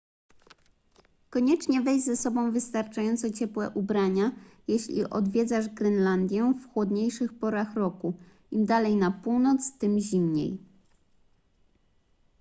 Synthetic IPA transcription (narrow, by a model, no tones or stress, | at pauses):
kɔɲɛt͡ʂɲɛvɛjzɛsɔbɔ̃w̃vɘst̪aɾt͡ʂajɔnt̪sɔt͡ɕɛpwɛ̰ʔubɾaɲajeɕlʲḭʔɔ̰d̪vʲjɛd̪zaʐɡɾɛnland̪ʲjɛfxwɔd̪ɲejʂɘxpɔɾaxɾɔku | imd̪alɛjnapuwnɔt̪st̪ɘmʑimɲḛj